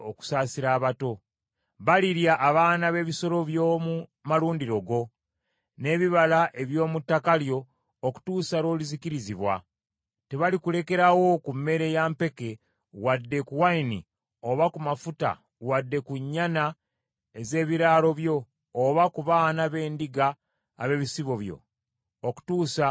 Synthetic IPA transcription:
oku̥saːsiɾaːβato̞ | βaliɾjaʔːβaːnaβe̞ːβiso̞lo̞βjomumaluːndiɾo̞ɡo̞ | ne̞ːβiβalaʔe̞βjo̞ːmutːakaljo̞ː | ku̥tuːsaɾo̞ːlizikiɾiziβwa̰ | te̞βalikule̞ke̞ɾawo̞kumːe̞ɾe̞jaːmpe̞ke̞ | wadːe̞kuwainḭ | oβakumafuta̰ | wadːe̞kuɲːana | eze̞ːβiɾaːlo̞βjo̞ː | βakuβaːnaβe̞ːndiɡa̰ː | βe̞βisiβo̞βjo̞̰ | oku̥tuːsa

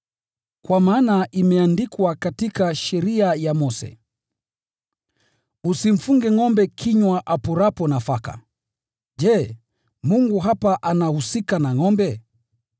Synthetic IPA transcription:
kwamaːnaʔimɛandikwakatikaʃɛɾiajamɔsɛ̰ | usiɱ̩fuŋɡɛŋɔmbɛkʰiɲwaʔapɔɾapɔnafaka̰ | d͡ʒɛː | muŋɡuɦapaʔanahusikanaŋɔmbɛ

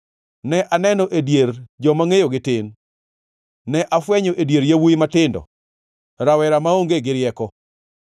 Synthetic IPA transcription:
nɛʔanɛnɔʔedjeɾd͡ʒɔmaŋejoɡɪtɪn | ɛʔafwɛɲɔʔedjeɾjawuimatɪndɔ̰ | ɾawɛɾamaoŋɡeɡɪɾjɛkɔ

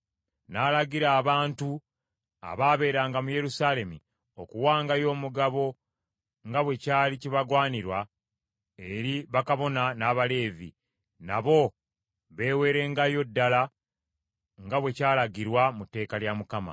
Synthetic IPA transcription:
naːlaɡiɾaːβaːntu | a̰βaːβe̞ːɾaːŋɡamuje̞ɾusaːle̞mi | okuwaːŋɡajo̞ːmuɡaβo̞ | ŋɡaβwe̞caːliciβaɡwaːniɾwa | e̞ɾiβakaβo̞nanaβale̞ːvḭ | naβo̞ | βe̞ːwe̞ːɾe̞ŋɡajo̞dːala | ŋɡaβwe̞caːlaɡiɾwamute̞ːkaljamukama̰

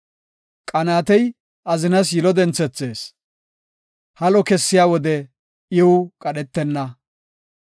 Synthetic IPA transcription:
kʼɐnaːt̪ɛj | ʔɐzɪnɐs̬jɪlɔd̪ɛnt͡sːɛt͡sːeːs | hɐlɔkɛsːɪjaːwɔd̪ɛ | ʔɪwʊkʼɐɗɛt̪ːɛnːɐ

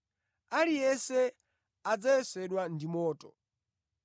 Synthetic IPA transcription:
alijɛsɛ | ad͡zajɛsɛɗwandimɔːtɔ

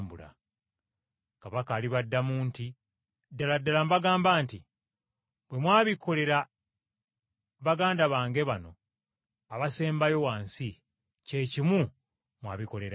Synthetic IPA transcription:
mbula̰ | kaβakaːliβadːamuːnti | dːaladːalambaɡaːmbaːnti | bwe̞mwaːβikʰo̞le̞ɾa | βaɡaːndaβaːŋɡe̞βano̞ | aβase̞ːmbajo̞waːnsi | ce̞ːcimu | mwa̰ːβiko̞le̞ɾa

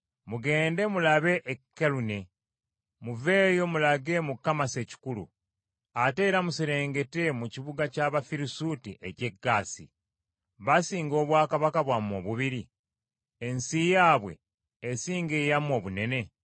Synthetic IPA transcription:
muɡe̞ːnde̞mulaβe̞ʔːkːelune̞ | muve̞ːjo̞mulaɡe̞mukːamase̞ci̥kulṵ | ate̞ːɾamusiɾe̞ːŋɡe̞te̞muciβuɡacaːβafiɾisutiʔe̞ce̞ɡːaːsḭ | βasiːŋɡo̞ːβwaːkaβakaβwamo̞̰ːβuβiɾi | ensijaːβwe̞̰ː | siːŋɡe̞ːjamo̞ːβune̞ne̞

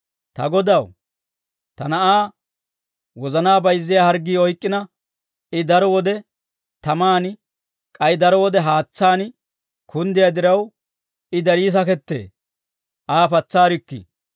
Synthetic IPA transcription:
t̪ɐ̰ɡɔd̪ɐw | t̪ɐnɐʔaː | wɔzɐnaːbɐjzːɪjahɐɾɡːiːɔjkʼːɪnɐ | ɪd̪ɐɾɔwɔd̪ɛ | t̪ɐmaːn | kʼɐjd̪ɐɾɔwɔd̪ɛɦaːt͡sːaːn | kʰʊnd̪ɪjad̪ɪɾɐw | ɪd̪ɐɾiːs̬ɐkɛt̪ːḛː | ʔaːpɐt͡sːaːɾɪkːɪ̰

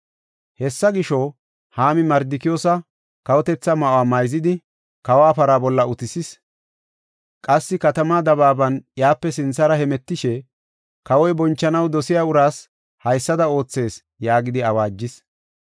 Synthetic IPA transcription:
hɛsːɐɡɪʃo | haːmɪmɐɾd̪ɪkɪjoːsɐ | kɐwɔt̪ɛt͡sːɐmɐʔwaːmɐjzɪd̪ɪ | kɐwaːpɐɾabɔlːɐʔʊt̪ɪsɪs | kʼɐsːɪkɐt̪ɐmaːd̪ɐβaːbɐnjaːpːɛsɪnsɐɾɐhɛmɛt̪ːɪʃɛ | kɐwɔjbɔnt͡ʃːɐnɐwd̪ɔsɪjaːʊɾaːs | hɐjsːɐd̪ɐo̞ːt͡sːe̞ːs | jaːɡɪd̪ɪɐwaːd͡ʒːɪs

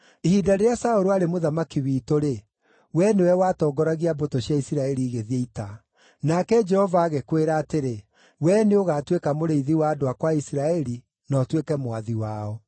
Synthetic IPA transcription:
ehiːdaɾeɾeasaoɾoaɾemoðamakiwiːtoɾe | wɛnewɛwatɔːɡɔɾaɣiabotoɕjaisiɾaɛɾiːɣeðieita | nakɛd͡ʒɛhɔvaːɣekweɾaːteɾe | wɛneoɣaːtwekamoɾeiðiwaːdoakwaisiɾaɛɾi | nɔtwekɛmoaðiwaɔ

